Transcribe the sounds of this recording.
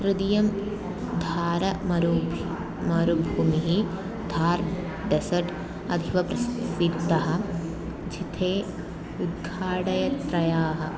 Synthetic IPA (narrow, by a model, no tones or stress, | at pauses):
ɾɨd̪ijɐm | d̪ʱaːɾɐmɐɾu | mɐɾubʱuːmiɦi | d̪ʱaːɾ | ɖesɐʈ | ɐ̰d̪ʱiʋɐpɾɐssid̪t̪ːɐɦɐ̆ | d͡ʒʱit̪ʰeː | ud̪̚ɡʱaːɽɐjɐt̪ɾɐjaːɦɐ̆